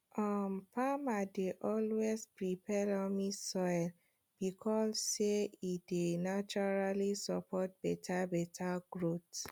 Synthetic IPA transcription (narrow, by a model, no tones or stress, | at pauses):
ɔmpamadeʔɔlwespɹipʰɛlɔmisɔjl | b̥ikʰɔsːeidenat͡ʃɔɹalisɔpʰɔt̚b̥ɛtʰabɛtʰaɡɹot